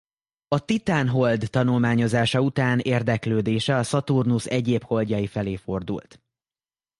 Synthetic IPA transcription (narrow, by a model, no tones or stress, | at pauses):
ɒt̪it̪aːnɦo̞ld̪ːɒnulmaːɲo̞zaːʃɒut̪aːneːrd̪ɛkløːd̪eːʃɛɒsɒt̪urnusɛɟeːpho̞ld̪jɒjifɛleːfo̞rd̪ṵlt̪